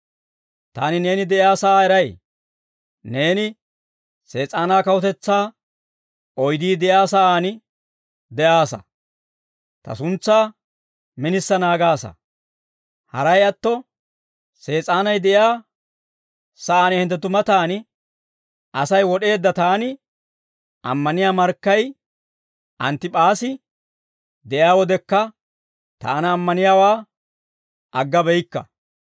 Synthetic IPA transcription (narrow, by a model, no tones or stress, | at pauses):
t̪aːnɪne̞ːnɪd̪ɛjaːsɐʔaːɛɾɐj | ne̞ːnɪ | se̞ːt͡sʼaːnaːkɐwɔt̪ɛt͡sːaː | ɔjd̪iːd̪ɛjaːsɐʔaːnɪ | d̪ɛʔaːsɐ̰ | t̪ɐ̰sʊnt͡sːaː | mɪnɪsːɐnaːɡaːsɐ̰ | hɐ̰ɾɐjɐt̪ːɔ | se̞ːt͡sʼaːnɐjd̪ɛʔjaː | sɐʔaːnɛhɛnt̪ːɛt̪ʊmɐt̪aːnɪ | ʔɐsɐjwɔɗe̞ːd̪ːɐt̪aːnɪ | ʔɐ̰mːɐnɪjaːmɐɾkːɐj | ʔɐnt̪ːɪpʼaːsɪ | d̪ɛʔɪaːwɔd̪ɛkːɐ | t̪a̰ːnɐːmːɐnɪjaːwaː | ʔɐɡːɐbɛjkːɐ̰